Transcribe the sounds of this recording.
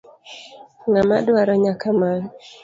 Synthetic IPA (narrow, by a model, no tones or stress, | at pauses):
ŋamadwaɾɔɲakaman